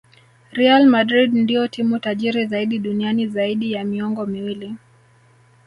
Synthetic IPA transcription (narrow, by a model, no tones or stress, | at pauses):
ɾialmadɾidndijɔtʰimutaʄiɾizaiɗiɗunianizaiɗijamiɔŋɡɔmiwili